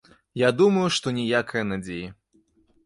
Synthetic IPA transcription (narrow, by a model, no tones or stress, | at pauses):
jad̪umɐjuʂt̪ɔnʲɛjakʰɐjɐnad͡zʲejɐ